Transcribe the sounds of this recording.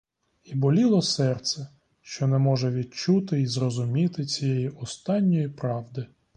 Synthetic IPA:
ibɔlʲilˠɔsɛrt̪sɛ | ʃt͡ʃɔnɛmɔʒɛʋʲid̪̚t͡ʃut̪ɪizɾɔzʊmʲit̪ɪt͡sʲijɛjiʔɔst̪ɑnʲːɔjipɾɑwd̪ɪ

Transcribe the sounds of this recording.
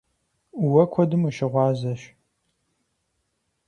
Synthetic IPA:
uwɐkʷʰɔdɨmuʃɪʁʷɑːzɐʃ

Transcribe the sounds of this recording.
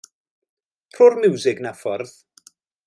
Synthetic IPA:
pʰroːrmɪwzɪɡnafɔrð

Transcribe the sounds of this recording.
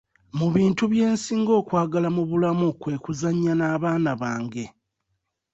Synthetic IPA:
muβiːntuβje̞ːnsiːŋɡo̞ːkwaːɡalamuβulamukwe̞ːkuzaɲːanaːβaːnaβaːŋɡe̞

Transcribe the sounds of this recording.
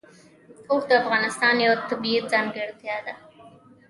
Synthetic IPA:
oxd̪əafɣɑnɪst̪ɑnjawat̪abiat̪̚zɑnɡeɽt̪jɑd̪a

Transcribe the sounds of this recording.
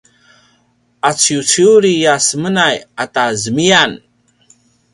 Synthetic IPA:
at͡siut͡siuɾijasəmənajatazəmian

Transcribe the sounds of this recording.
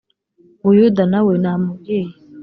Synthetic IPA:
wujudanawenamuɡij

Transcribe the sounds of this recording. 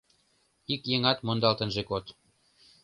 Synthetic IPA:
ikjeŋɑt̪mond̪ɑlt̪ə̆nʒekot̪

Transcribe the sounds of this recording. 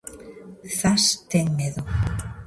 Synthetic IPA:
θast̪eŋmeðo

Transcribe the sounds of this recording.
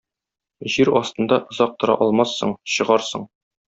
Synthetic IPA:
ʑiɾɒst̪ɤ̆nd̪ɑʔŏzɑq̚t̪ɤ̆ɾɑ̰ʔɒlˠmɑsːɤ̰ɴɕɤ̆ʁɑɾsɤɴ

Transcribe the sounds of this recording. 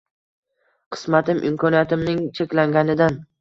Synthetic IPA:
qʰɨ̥smat̪ɪmʔɪ̰mkʰɒnijat̪ɪmnɪŋt͡ʃʰekʲlaŋɡʲanɪd̪an

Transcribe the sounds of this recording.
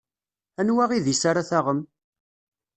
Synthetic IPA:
ænwaʁiðisaɾaθaʁəm

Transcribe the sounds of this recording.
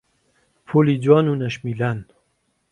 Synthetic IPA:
pʰuliːd͡zwaːnuːnɐʃmilaːn

